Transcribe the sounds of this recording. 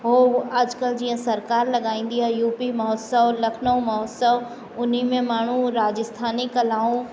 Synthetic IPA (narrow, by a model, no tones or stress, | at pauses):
ɦoːɐd͡ʒkəld͡ʒiːə̃sɐɾkaːɾlɐɡaːĩːn̆d̪iɦajuːpimɐɦɔt̪səʋlɐkʰnəũmɐɦɔt̪səʋ | ʊn̤imẽmaːɳ̤ũɾaːd͡ʒəst̪ʰaːnikɐlaːũ